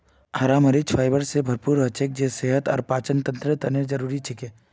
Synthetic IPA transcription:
aːɾaːməɾɪt͡ʃfʰaːɪbəɾsebʱɐɾpuːɾɐt͡ʃek̚d͡ʒeseːɦət̪ɔ̰ːɾpaːt͡ʃənt̪ɐ̃nt̪ɾət̪ɐneɾd͡ʒɐɾuːɾit͡ʃʰɪkeː

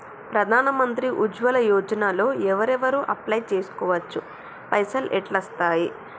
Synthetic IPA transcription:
pɾɐd̪ʱaːnɐmɐnt̪ɾiʔud͡ʒʋɐlɐjɔːd͡ʒɐnaːlo̞ːɛʋɐɾɛʋɐɾuʔɐplɐjt͡ʃe̞ːsu̥kɔːʋɐt͡ʃːu | pɐjsɐlʔɛʈlɐst̪aːji

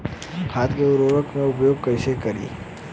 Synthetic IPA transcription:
haːt̪ʰkeʊɾoːɾəkmẽʊpjoːɡ̚kəʃekɐɾḭː

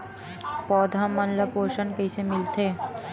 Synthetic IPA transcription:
pɔːd̪ʱamːɐnləpoːʃənkeɪsemɪlt̪ʰeː

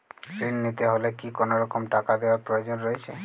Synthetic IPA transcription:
fɾinːit̪eɦolekikonoɾɔkomʈakad̪eoaɾpɾojod͡ʑonɾoet͡ɕʰe

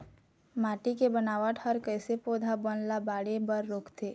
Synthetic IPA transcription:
maːʈikebənaːʋaʈʰəɾkəɪsepoːd̪ʱabənlabaːɽebəɾːoːkt̪eː

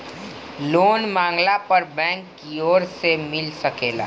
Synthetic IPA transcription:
loːnmãːŋɡlapəɾbɛ̃ːŋkːioːɾsemɪlsɐkeːla̰ː

